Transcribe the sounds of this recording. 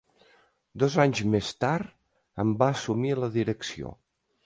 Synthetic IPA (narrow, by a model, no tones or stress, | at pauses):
d̪ɔzaɲzmest̪aɾt̪ | əmbaəsumiələðiɾəksio̰